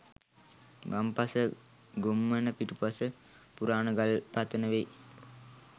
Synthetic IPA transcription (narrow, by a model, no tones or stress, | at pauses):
ɡɐmpɐsə | ɡomːɐnəpiʈupuɐsə | puɾaːnɐɡɐlpat̪ːənɐʋe